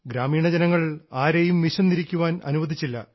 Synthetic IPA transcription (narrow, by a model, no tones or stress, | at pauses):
ɡɾaːmiːɳɐd͡ʑɐnɐŋːɐɭaːɾejumːiɕɐnːiɾikʲːuʋaːnɐ̰nuʋɐd̪ʱit͡ɕːilːɐ̰